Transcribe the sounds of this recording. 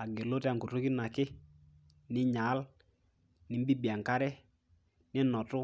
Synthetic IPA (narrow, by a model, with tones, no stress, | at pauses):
a˨ɡe˨lo˦tɛ˦a˨ŋko˨to˦kɪ˦na˨kɪ˦ | nɪ˦ɲa˨˦l | nɪ˨˦m˦bi˦bi˨a˨ŋka˦ɾɛ˦ | nɪ˦nɔ˨tʊ˦